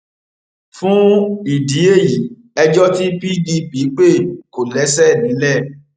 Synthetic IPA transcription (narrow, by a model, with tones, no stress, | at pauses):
fũ˦i˨di˨˦e˦˨ji˨˦ | ɛ˧d͡ʒɔ˦ti˦bi˦bi˧˦bi˨˦k͡pe˦˨ko˨lɛ˨˦sɛ˦˨mĩ˨˦lɛ˦˨